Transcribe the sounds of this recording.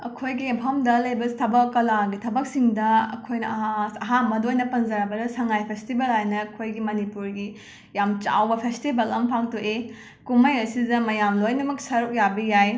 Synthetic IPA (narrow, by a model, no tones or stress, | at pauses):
ɐkʰojɡiempʰɐmdɐlɐjbɐstʰɐbɐkːɐlaɡitʰɐbɐk̚siŋdɐɐ̰kʰojnɐɦaɐɦamɐdojnɐpɐnzɐɾɐbɐdɐsɐŋajpʰestibɐlɦajnɐːkʰojɡimɐnipuɾɡi | jamt͡ʃa̰wbɐpʰestibɐlɐmpʰaŋtuʔe | kumɐjɐsidɐmɐjamlojnɐmɐk̚sɐɾuk̚jabijaj